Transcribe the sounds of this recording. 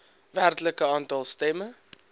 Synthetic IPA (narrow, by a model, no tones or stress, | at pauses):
værtləkəɑːntɐlˠstɛmə